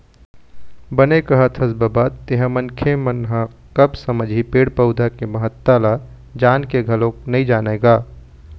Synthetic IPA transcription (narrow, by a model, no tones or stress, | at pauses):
bɐnekɐɦət̪ʰɐsbabaːt̪t̪eɦə̃mɐnkʰemənɦã | kɐbsɐməd͡ʒʱipeːɽpəʊd̪ʱakemɐɦət̪ːala | d͡ʒaːnkeɡʱɐlõknɐĩd͡ʒaːneːɡaː